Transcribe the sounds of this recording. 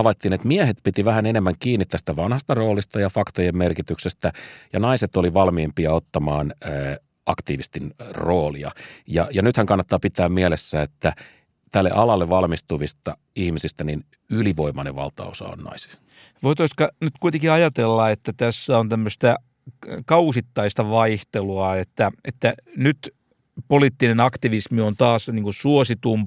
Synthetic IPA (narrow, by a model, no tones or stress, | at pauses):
ɑʋɑit̪ːiːnet̪miæhet̪pit̪iʋæhænenemːæŋkiːnːit̪t̪ːæst̪æʋɑnhɑst̪ɑro̞ːlist̪ɑjɑfɑkt̪ojemmerkit̪yksest̪æjɑnɑiset̪oliʋɑlmiempiɑot̪ːɑmɑːnː | ɑkt̪iːʋist̪inroːlḭɑ̰jɑjɑnyt̪hæŋkɑnːɑt̪ːɑːpit̪æːmmiælesːæːet̪ːæ | t̪ælːḛʔɑlɑlːeʋɑlmist̪uʋist̪ɑ | ihmisist̪ænin | yliʋoimɑnḛʋɑ̰lt̪ɑ̰osɑ̰o̰nnɑ̰isi̥ | ʋoit̪oiskɑnyt̪kuit̪eŋkiɑjɑt̪elːɑet̪ːæt̪æsːæont̪æmːøst̪æ | kɑusit̪ːɑist̪ɑʋɑiht̪eluɑet̪ːæet̪ːænyt̪ | poliːt̪ːinenɑkt̪iʋismiont̪ɑːsniːŋkusuosit̪um